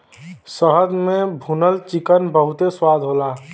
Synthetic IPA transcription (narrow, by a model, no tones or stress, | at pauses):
səɦəd̪mẽbʱunəlt͡ʃɪkənbəɦʊt̪eswaːd̪ʱɦoːlaː